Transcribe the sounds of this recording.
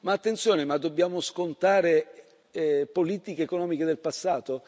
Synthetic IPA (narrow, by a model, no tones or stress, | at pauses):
maːt̪ːent̪sjoːnemad̪ːobːjaːmoskont̪aːɾe | poliːt̪ikeːkonɔːmiked̪elpasːaːt̪o